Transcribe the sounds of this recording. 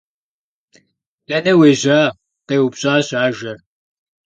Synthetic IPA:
lɐnɐweːʑaː | qeːwupɕʼaːɕaːʒɐr

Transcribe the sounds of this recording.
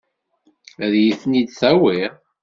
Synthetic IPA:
æðjiθnid̪θæwiɾ

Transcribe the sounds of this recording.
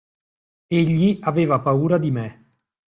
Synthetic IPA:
eʎːiaveːvapauːɾad̪ime

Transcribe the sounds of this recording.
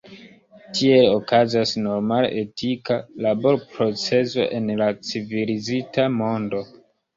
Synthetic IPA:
tʰie̞lokazasno̞ɾmal̰etikalabo̞ɾpɾo̞t͡se̞zo̞̰ʔe̞nlat͡sivilizitamo̞ndo̞

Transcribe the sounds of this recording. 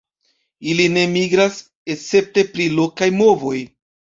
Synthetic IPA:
iline̞miɡɾas | e̞t͡se̞p̚te̞pɾilo̞kajmo̞vo̞j

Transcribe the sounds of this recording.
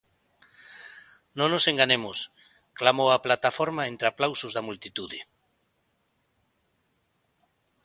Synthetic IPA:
nõnoseŋɡaɲemos | klamowaplat̪afoɾmaẽnt̪ɾeaplawsozðamult̪it̪uðɪ

